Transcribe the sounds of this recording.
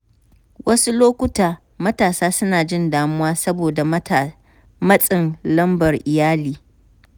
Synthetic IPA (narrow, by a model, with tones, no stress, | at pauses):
wɐ˦su˦loː˦kʷʊ˦taː˨ | mɐ˦taː˨saː˦sʊ˦naː˨d͡ʒɪ˦ndaː˨mʊ˦waː˦sɐ˦boː˨da˨ | mɐ˦sʼɪ˨nlɐ˦mbɐ˨rʔɪ˨jaː˦liː˦